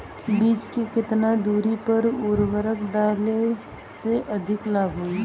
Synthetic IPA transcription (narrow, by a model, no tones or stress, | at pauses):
biːt͡ʃkekɪt̪nad̪uːɾipəɾʊɾwəɾəkɖaːle | seʔɐd̪ʱɪklaːɡɦui